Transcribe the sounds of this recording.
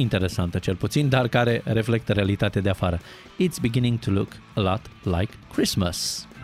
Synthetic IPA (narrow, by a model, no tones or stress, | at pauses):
int̪e̞ɾe̞sant̪ət͡ʃe̞lput̪sind̪arkaɾe̞ɾe̞fle̞k̚t̪əɾealit̪at̪ead̪eafaɾə | it̪sbiɡinĩŋt̪ʰuluk | əlɔt̪la̰jkʰːɾisməs